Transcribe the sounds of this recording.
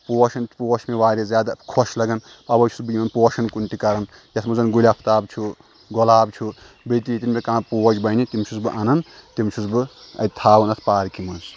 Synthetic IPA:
poːʃɐnt̪ʰpoːʃmeʋaːɾʲezjaːd̪akʰoʃlɐɡɐn | pɐbɐjt͡ʃʰu̥sbɨjimɐnpoːʃɐnkunt̪ikɐɾɐn | jɐt̪ʰmɐd͡zɐnɡulʲapʰt̪aːbt͡ʃʰu | ɡɔlaːbt͡ʃʰu | bet̪it̪inbʲekãːpoːd͡ʒbɐnit̪imt͡ʃʰut͡sbɨʔɐnɐnt̪imt͡ʃʰusbɨ | ɐ̰jt̪ʰaːwɐnɐt̪ʰpaːɾkimɨns

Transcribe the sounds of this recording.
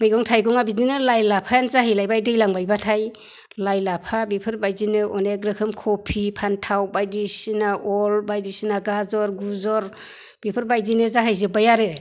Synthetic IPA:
mɯjɡɔŋtʰajɡɔŋabizinɯlajlapʰajanzaɦajlajbajdɯjlaŋbajbatʰaj | lajlapʰabipʰɯɾbajzinɯʔɔneɡɾɯkʰɯmkʰɔpʰipʰantʰawbajdisinaɔlbajdisinaɡazɔɾɡuzɔɾ | b̥ipʰɯɾbajzinɯzaɦajzɯbajaɾɯ

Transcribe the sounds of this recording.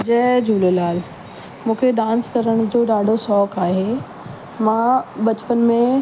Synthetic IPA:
d͡ʑɛːd͡ʑʱuːlolaːl | mũːkʰeɗãːnskɐɾəɽ̃d͡ʑoːɗaːɖʱosɔːkaːɦe | mãːbɐt͡ɕɪ̥pənɪ̆mẽ

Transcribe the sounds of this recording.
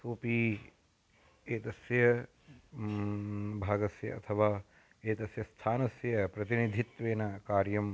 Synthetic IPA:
soːpi | eːt̪ɐsjɐ | bʱaːɡɐsjɐ̰ɐ̰t̪ʰɐʋaː | eːt̪ɐsjɐst̪ʰaːnɐsjɐpɾɐt̪inid̪ʱit̪ʋeːnɐkaːɾjɐm

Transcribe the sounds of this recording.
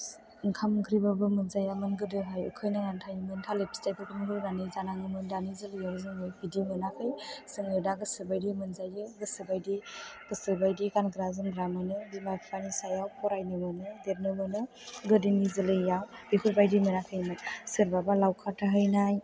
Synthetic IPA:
ŋkʰamɡɾibabɯmɯnzajamɯnɡɯdɯɦajɯ̰kʰɯjnaŋantʰajɯmɯntʰalepʰstajpʰɯkɯnɡɯɾɯnanizanaŋɯmɯndanizɯlɯjawzɯŋɯjbidimɯnakʰɯjsɯŋɯdaɡɯsɯbajdimɯnzajɯɡɯsɯbajdiɡ̥ɯsɯbajdiɡanɡɾazɯnɡɾamanɯbimapʰanisajawpʰɔɾajnɯmɯnɯdeɾnɯmɯnɯ | ɡɯdinizɯlɯjawbikʰuɾbajdimɯnakʰɯjmasɯɾbabalawkʰatʰaɦɯjnaj

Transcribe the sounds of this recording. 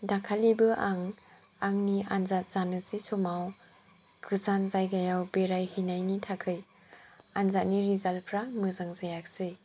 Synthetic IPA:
dakʰalibɯʔaŋ | aŋnianzat̚z̥anɯzisɔmaw | ɡʰɯzanzajɡajawbeɾajhinajnitʰakʰɯj | anzat̚niɾizalpʰɾamɯzaŋzajak̚sɯj

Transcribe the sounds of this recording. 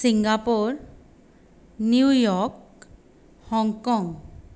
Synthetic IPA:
siŋɡapoɹ | niujɔk | hɔŋkɔŋ

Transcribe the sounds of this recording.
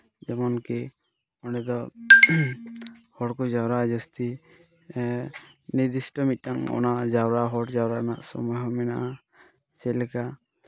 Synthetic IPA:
d͡ʒɛmɔnki | ɔnɛd̪ɔ | hɔʈkɔd͡ʒawɾad͡ʒɔst̪i | nid̪isʈɔmit̚ːaŋɔ̰nad͡ʒawɾaɦɔʈd͡ʒawɾanasɔ̰mɔjɦɔmɛna̰ʔa | sɛlɛka

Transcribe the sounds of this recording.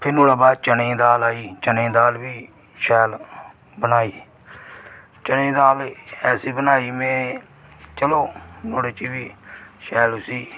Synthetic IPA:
pʰɪɾnoːɽaːbaːt͡ʃənẽːd̪aːlaːiːt͡ʃənẽːd̪aːlbiː | ʃɛːl | bənaːiː | t͡ʃəñẽːd̪aːlɛːsiːbənaːiːmɛ̃ː | t͡ʃəloːnoːɽeːt͡ʃiːbiːʃɛːlʊsiː

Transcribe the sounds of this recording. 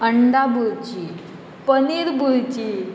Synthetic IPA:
əɳɖabʱuɾt͡ɕi | pəniːɾbʱuɾt͡ɕi

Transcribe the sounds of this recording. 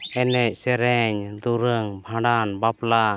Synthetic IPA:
ɛnɛc̚ˀsɛɾɛɲd̪uɾəŋbʱãɖanbapla

